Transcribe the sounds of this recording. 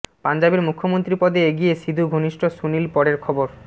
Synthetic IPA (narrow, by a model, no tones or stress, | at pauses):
pand͡ʑabeɾmukʰːomont̪ɾipɔd̪eeɡijesid̪ʱuɡʱoniʃʈʰosunilpɔɽeɾkʰɔboɾ